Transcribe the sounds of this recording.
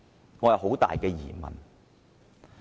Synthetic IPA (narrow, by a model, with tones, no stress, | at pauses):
ŋɔː˨˧jɐ˨˧wɦo˨˥wt̪a̰ː˨jkɛː˧jiː˨˩mɐ̰˨n